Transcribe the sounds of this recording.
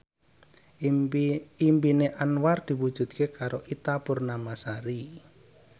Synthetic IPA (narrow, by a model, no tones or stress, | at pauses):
impineʔanward̪̥i̤wud̥ʒ̥ṳd̪̥kekaɾoʔit̪apurnamasaɾi